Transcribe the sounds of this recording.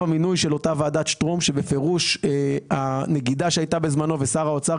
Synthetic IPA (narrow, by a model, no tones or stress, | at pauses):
aminujʃe̞lo̞tavaːdat̪ʃtʁomʃe̞be̞fe̞ʁuʃane̞ɡidaʃeajtabe̞zmano̞ve̞saʁaot͡sa